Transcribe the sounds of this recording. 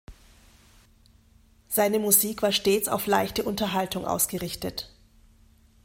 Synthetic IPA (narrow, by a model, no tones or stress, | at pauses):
z̥aɪnəmuziːkv̥aːɐʃteːt͡sa̰ʊflaɪçtəʔʊntɐɦaltʊŋʔa̰ʊsɡ̥əʁɪçtət